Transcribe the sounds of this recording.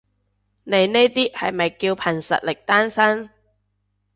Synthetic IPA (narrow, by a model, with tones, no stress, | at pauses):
ne˨˧jne˥t̪iː˥hɐ̰˨jmɐ˨jkiː˧wpʰɐ˨˩nsɐ̰˨t̚lɪ˨k̚t̪aː˥nsɐ˥n